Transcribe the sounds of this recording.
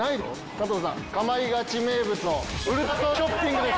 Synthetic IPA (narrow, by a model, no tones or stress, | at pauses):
ai | t̪at̪oːzã̰ | kamaiɡat͡ɕime̞ːbɯ̟t͡sɨnoɯ̟ɾɯasoɕopːĩŋɡɯ̟d̪e